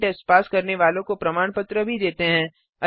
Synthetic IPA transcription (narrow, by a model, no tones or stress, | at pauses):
ʈɐspaːskɐɾneʋaːlõkopɾɐmaːɳpət̪ɾəbʱid̪eːt̪eɦɛ̃ː | ɐ